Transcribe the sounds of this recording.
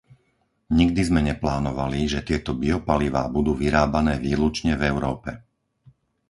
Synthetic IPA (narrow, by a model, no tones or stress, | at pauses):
ɲiɡ̚d̪izmɛɲɛplaːnɔʋaliʒɛt̪ɪɛt̪ɔbiɔpaliʋa̰ːbud̪uːʋiɾaːbanɛːʋiːlut͡ʃɲɛvɛʊɾɔːpɛ